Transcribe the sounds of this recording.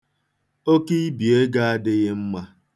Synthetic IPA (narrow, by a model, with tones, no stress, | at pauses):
o˦ki˦i˦bi˨e˦ɡa˦a˦dɪ˦ɣɪ˦m̩˦ma˦